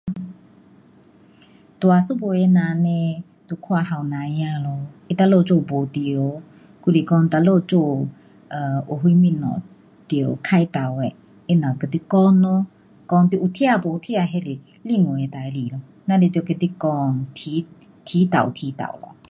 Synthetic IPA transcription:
t̪wa˨su˦bo˨ɛ˧˦nã˨nɛ˧ | t̪o˧˨kʰwa˧ha˨wnã˨˧ja˧˨lɔ˧i˦t̪a˧lo˧˨t͡ʃo˧˨bo˨t̪i˧˨o˨˧˨ | ku˧li˨kɔ˧n˧t̪a˧lo˧t͡ʃo˧˨ | ə˨o˨ɦu˧˦mĩ˧˨nɔ̰̃˨ | t̪jo˨kʰa˧jt̪a˨wɛ˧˨ | e˦˧nã˨kə˧˨t̪i˧˦kɔ˦nɔ˦ | kɔ˧ŋt̪ʔu˧˨t̪ʰi˦a˧˨bo˨u˧˨t̪ʰi˦a˧ɦɛ˧˨li˨ | li˦˧˨ŋo˨ɛ˧t̪a˨i˧li˨lɔ˧ | na˧li˧t̪jo˧˨kə˧t̪i˦kɔ˧ŋt̪ʰi˧˦ | t̪ʰi˧˦t̪a̰˨wt̪ʰi˧˦t̪a̰˨wlɔ̰˧˨

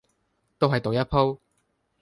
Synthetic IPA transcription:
t̪o˥wɦɐ˨jt̪o˨wjɐ˥pʰo˥w

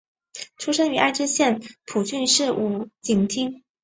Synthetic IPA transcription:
ʈ͡ʂʰu˥ʂə˥ŋy˨˧˥ʔa˥˩ɪʈ͡ʂɻ̩˥ɕjɛ˥˩npʰu˨˩t͡ɕy˥˧nʂɻ̩˥˧ʔu˧˩t͡ɕi˨˩ŋt̪ʰi˥ŋ

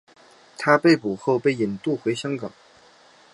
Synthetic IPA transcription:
t̪ʰa˥pe˥˩ɪpu˨˩xo˥˧ʊpe˥˩ɪi˨˩nt̪u˥˩xwe˧˥ɪɕjɑ˥ŋkɑ˨˩˦ŋ

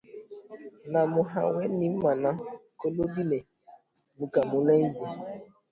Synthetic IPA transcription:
na˨mʊ˨ɦa̰˨wɛ˦ni˨˦m̩˦ma˨na˦ko˦lo˦di˦ne˨ | mu˨ka˨mʊ˨le˦n̩˦zi˨

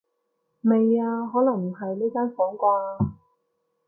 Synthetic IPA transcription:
me˨jaː˧ɦɔː˨˥lɐ˨˩ŋm̩˨˩ɦɐ˨jliː˥kaː˥nfɔː˨˥ŋkʷaː˧a˧

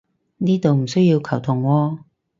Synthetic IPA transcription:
niː˥t̪o˨wm̩˨˩sɵ˥ɥjiː˧wkʰɐ˨˩wt̪ʰʊ˨˩ŋwɔː˧

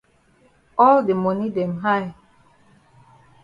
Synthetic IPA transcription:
ɔ˦lde˨mɔ˨ni˦dɛ˨mɦa˦j

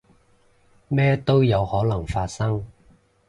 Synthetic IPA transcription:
mɛː˥t̪o˥wjɐ˨˧whɔː˨˥lɐ˨˩ŋfaː˧t̚sɐ˥ŋ

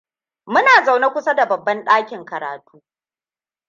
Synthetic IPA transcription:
mʊ˦naː˨za˨wna˦kʷʊ˦sa˦da˨bɐ˨bːɐ˦nɗaː˦kʲɪ˨ŋkɐ˨ɾa̰ː˨tʰuː˦

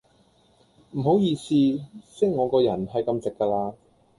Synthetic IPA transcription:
m̩˨˩ɦo˨˥wjiː˧siː˧sɪ˥ŋŋɔː˨˧kɔː˧jɐ˨˩nɦɐ˨jkɐ˧mt͡sɪ˨kːaː˧laː˧

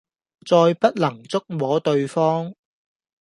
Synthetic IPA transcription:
t͡sɔː˧jpɐ˥t̚lɐ˨˩ŋt͡sʊ˥k̚mɔː˨˥t̪ɵ˧ɥfɔː˥ŋ

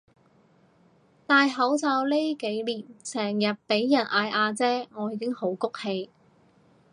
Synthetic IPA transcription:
t̪aː˨˧jɦɐ˨˥wt͡saː˧wle˥ke˨˥jliː˨˩nsɛː˨˩ŋjɐ˨t̚pe˨˥jːɐ˨˩nʔaː˧jʔaː˧t͡sɛː˥ŋɔː˨˧jiː˨˧kɪ˥ŋho˨˥wkʊ˥k̚he˧j

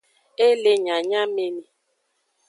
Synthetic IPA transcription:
e˦le˦ɲa˨ɲa˦me˦mi˦

